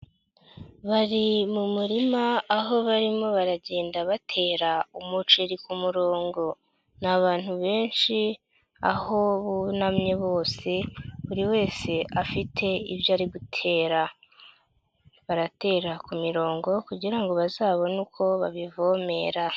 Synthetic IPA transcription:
βaɾimumuɾimaːɦo̞βaɾimo̞βaɾaɟe̞ːndaβatʰe̞ːɾaumut͡ʃeɾikumuɾo̞ːŋɡo̞ | naβaːn̥huβe̞ːnʃi | a̰ho̞βunamɲe̞βo̞ːse̞uɾiwe̞ːse̞ʔafitʰe̞ivjoaɾiɡutʰe̞ːɾa | βaɾate̞ːɾakumiɾo̞ːŋɡo̞kuɟiɾaŋɡo̞βazaːβo̞nukʰo̞βaβivo̞ːme̞ɾa

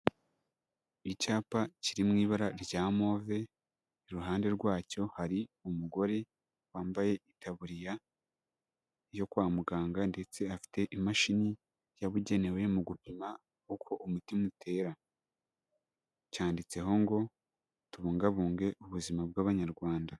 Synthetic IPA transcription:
icaːpaciɾimŋiːβaɾaɾɟaːmo̞ːve̞ | iɾuɦaːnde̞ɾɡwaːco̞haɾiumuɡo̞ɾe̞ | waːmbaje̞ʔitʰaβuɾija | jo̞kwaːmuɡaːŋɡande̞t͡se̞afi̥te̞ʔimaʃini | jaβuɟe̞ne̞we̞muɡupima | hukʰo̞ʔumutimutʰe̞ɾa | caːndit͡se̞ɦo̞ŋɡo̞ | tuβuːŋɡaβuːŋɡe̞uβuzimab̚ɡaːβaɲaɾɡwaːnda

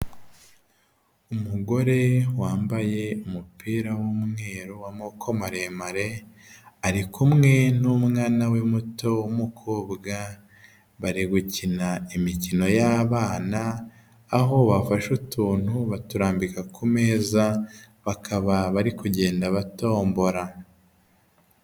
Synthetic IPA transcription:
umuɡo̞ɾe̞waːmbaje̞umupiːɾawumŋe̞ːɾowamokʰo̞maɾemaɾe̞ | aɾikumŋe̞numŋaːnawemuto̞wumukʰoːbɡa | βaɾiɡucinaimicino̞jaːβaːnaː | ɦo̞βafaʃutuːn̥huβatuɾaːmbikakʰume̞ːza | βakʰaβaβaɾikuɟe̞ːndaβato̞ːmbo̞ɾa

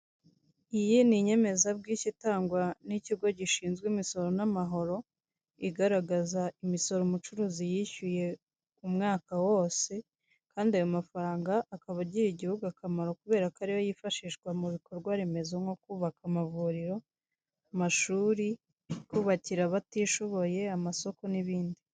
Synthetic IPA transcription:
ijiniɲe̞me̞zabɡiːcitaːŋɡwaniciɡo̞ɟiʃiːnzɡwiːmiso̞ɾo̞namaɦo̞ɾo̞ | iɡaɾaɡazaimiso̞ɾomut͡ʃuɾuːzijiçuje̞ | umŋaːkawo̞ːse̞ | kaːndiajomafaɾaːŋɡaʔːkaβaɟiɾiɟihuɡuakamaɾo̞kuβe̞ːɾakaɾijojifaʃiʃɡwamuβikʰo̞ɾɡwaɾe̞me̞zoŋo̞kuːβakamavuːɾiɾo̞ | amaʃuːɾi | kuːβaciɾaβatiːʃoβo̞je̞amaso̞ko̞niβiːndi

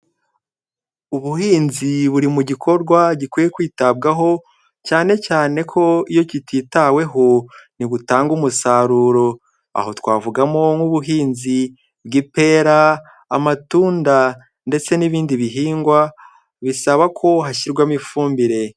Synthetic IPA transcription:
uβuhiːnziβuɾimuɟikʰo̞ɾɡwaɟikwiːje̞kwiːtabɡaɦo̞ | caːne̞caːne̞kʰo̞ijo̞cititawe̞ɦo̞niβutaːŋɡumusaɾuːɾo̞ | a̰ho̞twaːvuɡamo̞ŋuβuɦiːnzi | bɡipe̞ɾaː | matuːnda | nde̞t͡se̞niβiːndiβiɦiːŋɡwa | βisaβakʰo̞ɦaçiɾɡwamifuːmbiɾe̞

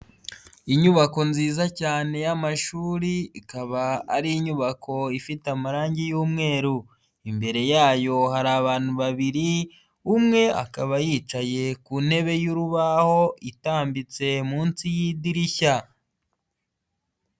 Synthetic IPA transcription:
iɲuβako̞nziːzacaːne̞jamaʃuːɾiikaβaːɾiːɲuβakʰo̞ifitamaɾaːɲɟijuːmŋe̞ːɾu | imbe̞ɾe̞jaːjo̞ɦaɾaːβaːn̥uβaβiɾi | umŋe̞a̰kaβajiːt͡ʃaje̞kunhe̞βe̞juɾuβaho̞itaːmbit͡se̞muːnsijidiɾiça

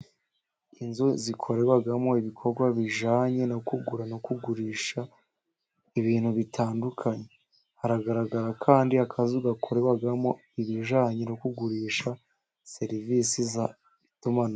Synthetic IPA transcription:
inzuzikʰo̞ɾewaɡamo̞iβikʰo̞ɾɡwaβiʒaːɲe̞nokuɡuɾanokuɡuɾiːʃa | iβiːnhuβitʰaːndukʰaɲe̞ | haɾaɡaɾaɡaɾakʰaːndiakʰazuɡakʰo̞ɾewaɡamo̞ | iβiʒaːɲenokuɡuɾiːʃa | se̞ɾiviːsiza | ituman

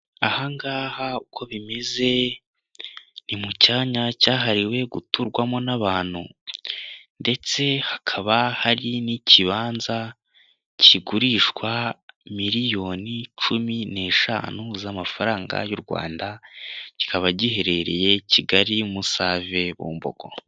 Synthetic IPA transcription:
ahaŋɡaːhaukʰo̞βime̞ze̞ | nimucaːɲacaːɦaɾiwe̞ɡutuɾɡwamo̞naβaːn̥hṵ | nde̞t͡se̞hakʰaβahaɾiniciβaːnza | ciɡuɾiʃkwamiɾijo̞ːnit͡ʃumine̞ːʃa̰ːnuzamafaɾaːŋɡa̰juɾɡwa̰ːndaci̥kaβaɟihe̞ɾe̞ɾe̞̰je̞ciɡaɾimusaːve̞βṵːmbo̞̰ɡ̥o̞̰

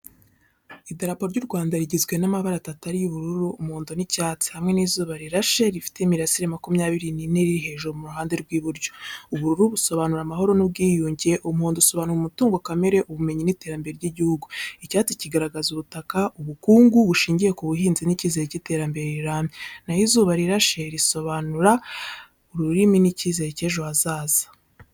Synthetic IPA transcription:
idaɾapo̞ɾɟuɾɡwaːndaɾiɟizɡwe̞namaβaɾatataɾijuβuɾuɾuːmhuːndonicaːt͡si̥hamŋe̞niːzuːβaɾiɾaʃe̞ɾifi̥te̞imiɾasiɾemakumɲaːβiɾinine̞ɾiɾiɦe̞ʒuɾomuɾuɦaːnde̞ɾɡwiːβuɾjouβuɾuɾuβuso̞βanuɾamaɦo̞ɾo̞nub̚ɡiːjuːɲɟe̞ʔumhuːnduso̞βanuɾumutuːŋɡokame̞ɾe̞ʔuβume̞ɲinite̞ɾambe̞ɾeɾɟiɟihuɡuicaːt͡siciɡaɾaɡazuβutakauβukuːŋɡuβuʃiːɲɟije̞kuβuɦiːnziniciːze̞ɾecite̞ɾambe̞ɾeiɾaːmɲenahizuβaɾiɾaʃe̞ɾiso̞βanuɾa | uɾuɾiminiciːze̞ɾece̞ːʒo̞azaːzḁ

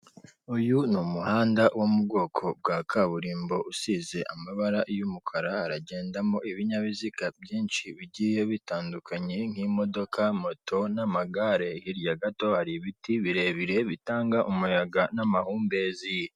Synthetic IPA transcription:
ujunumuhaːndawomubɡo̞ːkʰo̞b̚ɡakʰaβuɾiːmbo̞ʔusize̞ʔamaβaɾajumukʰaɾahaɾaɟe̞ːndamo̞iβiɲaβizikabjiːnʃiβiɟije̞βitaːndukʰaɲe̞ŋ̥himo̞do̞kʰamo̞tʰo̞namaɡaɾe̞hiɾjaɡato̞haɾiβitiβiɾe̞βiɾe̞βitaːŋɡaʔumujaɡanamahuːmbe̞zije

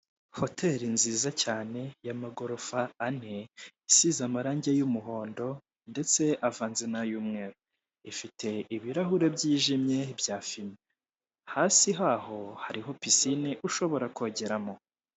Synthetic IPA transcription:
ho̞tʰe̞ɾinziːzacaːne̞jamaɡo̞ɾo̞faːne̞isizamaɾaːɲɟejumuɦo̞ːndo̞ | nde̞t͡se̞ʔavaːnzenajuːmŋe̞ːɾo | ifitʰe̞iβiɾaɦuɾe̞bɟiːʒimɲe̞bjaːfime | haːsiɦaːɦo̞haɾiɦo̞pisiniʔuʃo̞βo̞ɾakoɟeɾamo̞

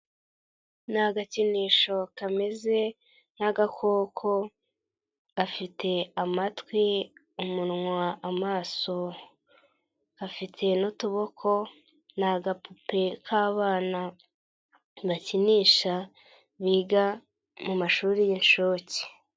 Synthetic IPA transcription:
naɡaciniːʃo̞kameze̞ | naɡakʰo̞ːkʰo̞ | ɡafitʰe̞amatwi | umunŋwaʔamaːso̞ | afitʰe̞nutuβo̞kʰo̞ | naɡapupe̞kʰaːβaːna | βaciniːʃa | βiːɡa | mumaʃuːɾijinʃoːci̥

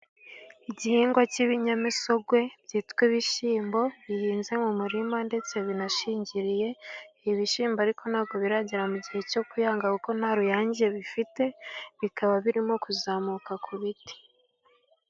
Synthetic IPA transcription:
iɟihiːŋɡwaciβiɲamiso̞ɡwe̞bɟiːtkweβiʃiːmbo̞βijiːnze̞mumuɾimande̞t͡se̞βinaʃiːɲɟiɾije̞iβiʃiːmboaɾiko̞naːβ̚ɡo̞βiɾaɟiɾamuɟihe̞co̞kujaːŋɡauko̞naɾujaːɲɟije̞βifite̞βikʰaβaβiɾimo̞kuzaːmukakʰuβiti̥

